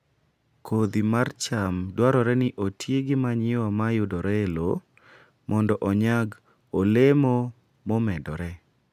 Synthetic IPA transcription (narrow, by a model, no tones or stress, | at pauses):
kʰod̪imart͡ʃamdwaɾɔɾɛnɪʔotʰjeɡɪmaɲɪwamajʊdɔɾɛlo | mɔndɔʔɔɲaɡ | olemo | mɔmɛdɔɾɛ